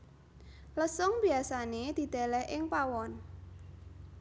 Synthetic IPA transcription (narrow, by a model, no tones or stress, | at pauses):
ləsɔŋb̥iasaned̪̥i̤d̪̥a̤lɛhʔɪŋpawɔn